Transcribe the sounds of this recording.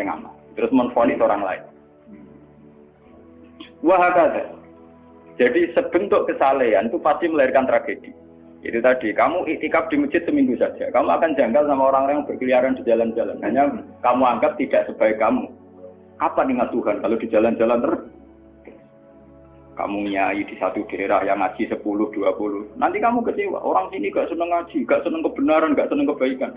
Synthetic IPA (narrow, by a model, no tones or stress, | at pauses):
ɛŋa̰ma | t̪əɾʊsmənfɔnisoɾaŋla̰ɪ̰n | uwaɦakat̪a̰̥ | d͡ʒ̥adisəb̥ə̤ŋt̪ʊʔkəsaleanit̪upast̪iməlaɪrkant̪ɾʔaɡ̥ed̥i̥ | ḭt̪ut̪ad̥ikamuʔiʔt̪ikap̚d̥i̤mə̥d͡ʒ̥ɪt̪̚səmiŋɡusḁd͡ʒ̥akamuakand͡ʒaŋɡalsamaoɾaŋlaŋb̥ərkəliaɾand̥id͡ʒaland͡ʒalankaɲakamuaŋɡap̚t̪id̥a̤ʔsəb̥a̤ekamu | kapaniŋat̪ːuɦankalod̥i̤d͡ʒ̥a̤land͡ʒalant̪ərə | ka̰muŋijaid̥i̤sat̪ud̥eɾahjaŋḁd͡ʒ̥isəpulʊhd̥uapulʊhna̰nt̪ikamukət͡ʃiwa̰ʔo̰ɾaŋsiniɡaʔsənəŋḁd͡ʒ̥iɡ̥aʔsənəŋkəb̥ə̤naɾanɡaʔsənəŋkəb̥a̤ikan